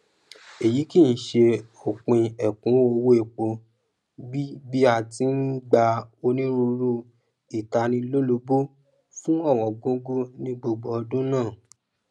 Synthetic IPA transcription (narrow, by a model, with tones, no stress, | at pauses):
e˨ji˨˦ki˦˨n̩˦ʃe˧o˨k͡pĩ˧ɛ˨kũ˨˦o˧wo˦e˨k͡po˧ | bi˦bi˦a˧tĩ˨˦n̩˦ɡ͡ba˧o˧nĩ˦ɾu˧ɾu˦ | i˨ta˧nĩ˧lo˦lo˧bo˦ | fũ˦ɔ˦˨w̃ɔ̃˨ɡõ˦ɡo˦nĩ˧ɡ͡bo˨ɡ͡bɔ˨˧dũ˦nãː˦˨